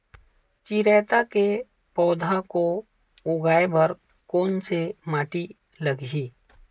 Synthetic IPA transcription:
t͡ʃiɾɛːt̪ake | pɔːd̪ʱako | ʊɡaːebəɾ | koːnsemaːʈi | ləɡɦiː

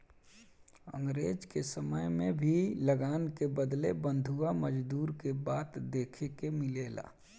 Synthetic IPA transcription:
ə̰̃ŋɡɾeːd͡ʒkesəməjmẽbʱiləɡaːnkebəd̪lebə̃nd̪ʱuaməd͡ʒd̪uːɾkebaːt̪d̪eːkʰekemɪleːla̰ː

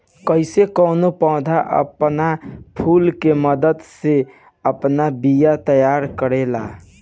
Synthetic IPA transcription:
kəɪsekəʊnopə̃ʊ̃d̪ʱaʔə̰pnapʰulkeməd̪əd̪se | əpnabijat̪əjaɾkəɾela

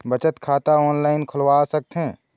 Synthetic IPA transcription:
bət͡ʃət̪kʰaːt̪aɔːnlaːɪnkʰʊlwaːsɐk̚t̪ɦɛ̃ː

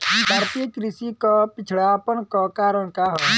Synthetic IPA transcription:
bʱaːɾt̪ijəkɾɪsikɔpɪt͡ʃʰɭaːpənkɔkaːɾəɳ̃kaːɦɔ

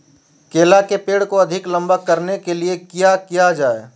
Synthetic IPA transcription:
keːlakepeːɽkoɐd̪ʱɪklɐ̃mbəkːɐɾnekeliekijakijad͡ʒaːe

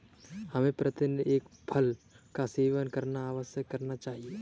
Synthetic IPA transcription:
hɐmẽpɾət̪ɪneːkpʰəl | kaseːʋənkɐɾnaːʋəsjəkːɐɾnat͡ʃaːɦie

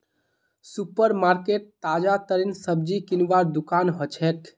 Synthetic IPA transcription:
supəɾmaɾkeʈ̚t̪ad͡ʒat̪əɾinsəb̚d͡ʒikinʋaɾd̪ukanɦɔt͡ʃʰɛt̪

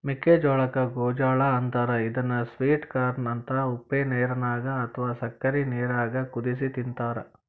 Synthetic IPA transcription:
miked͡ʒɔːɭɐkɐɡoːd͡ʒaːɭɐːnt̪aːɾɐid̪ɐnːɐsʋiːʈkaːɾnɐnt̪ɐupːeːneːɾɐnaːɡɐːt̪ʰɐʋaːsɐkːɐɾineːɾaːɡɐkud̪is̬it̪int̪aːɾɐ

